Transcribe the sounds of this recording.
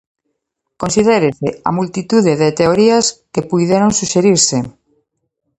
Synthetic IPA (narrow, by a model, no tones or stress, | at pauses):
kõnsiðeɾesḛa̰mult̪it̪uðeðet̪eoɾiaskepujðeɾoŋsuʃeɾiɾse